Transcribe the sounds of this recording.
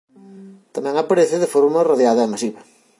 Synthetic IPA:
t̪ɐmɛ̃ŋapaɾeθɪðɪfoɾmɐraðjaðɐemasiβɐ

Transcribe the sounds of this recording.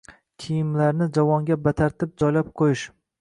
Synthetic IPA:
kʲʰijɪmlaɾnɪd͡ʒavɒŋɡʲabat̪ʰaɾt̪ʰɪp̚d͡ʒɒjlap̚qʰojɪʃ

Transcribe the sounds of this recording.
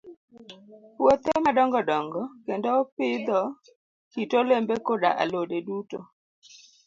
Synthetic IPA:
wot̪emadɔŋɡɔdɔŋɡɔkendopɪd̪ɔ | kitolembekoda̰ʔa̰lodeduto

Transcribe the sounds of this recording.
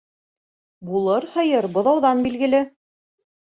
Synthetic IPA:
bulˠɤɾhɤ̆jɤɾbŏðɑwðɑnbilɡɘ̆lɘ

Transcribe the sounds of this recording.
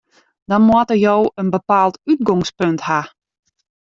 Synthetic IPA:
d̥ɔnmwɔtərjoːənbəpaːlˠtyt̚ɡɔŋspøntha

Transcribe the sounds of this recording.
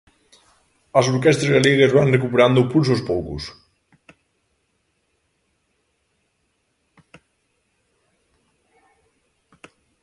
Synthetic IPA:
əlˠzuɾkɛst̪ɾəzðəliɣəzβanrəkupəɾand̪upunzospɔlˠkṵs

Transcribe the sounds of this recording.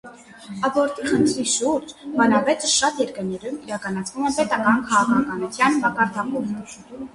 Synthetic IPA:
ɑbɔɾt̪ʰiχənt̪ʰɾiʃuɾd͡ʒmɑnɑvɛt͡səʃɑt̪jɛɾkəɾnɛɾumiɾɑkɑnɑt͡sʰvumɛpɛt̪ɑkɑnkʰɑʁɑkʰɑkɑnut͡s̪ʰjɑnbɑkɑɾt̪ʰɑkum

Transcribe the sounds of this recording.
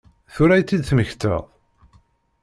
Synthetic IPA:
θʊɾæjt͡s̪ːid̪θməçt̪ə̰ʁ

